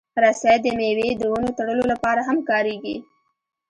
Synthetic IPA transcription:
ɾasad̪əmewed̪əwənot̪aɽəlolapɑɾaɦamkɑɾeɡḭ

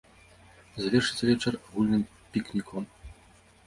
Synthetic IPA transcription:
zavʲɛrʂɨt̪sʲɐvʲɛt͡ʂɛraɣulʲnɨm | pʲiknʲikʰɔm

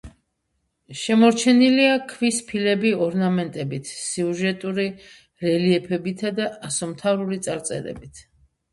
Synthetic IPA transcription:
ʃɛmɔɾt͡ʃʰɛniliakʰvispʰilɛbiɔɾnamɛnt̪ʼɛbit̪ʰsiuʒɛt̪ʼuɾi | ɾɛliɛpʰɛbit̪ʰad̪aasɔmt̪ʰavɾulit̪sʼaɾt̪sʼɛ̰ɾɛ̰bit̪ʰ

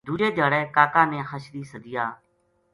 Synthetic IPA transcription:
d̪uːd͡ʒeːd̪əːɽɛːkaːkãːnẽːxəʃɾiːsəd̪ɪjaː

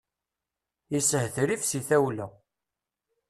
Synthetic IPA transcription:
isəhθɾifsiθæwlæ

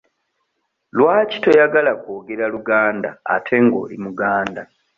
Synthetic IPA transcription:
lwaːci̥to̞jaɡalakoːɡe̞ɾaluɡaːnda̰ːtʰe̞ŋɡo̰ːlḭmuɡaːnda

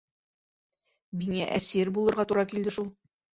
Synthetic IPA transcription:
miŋæʔæsiɾbulˠɤ̆ɾʁɑt̪uɾɑkild̪ɘʃulˠ

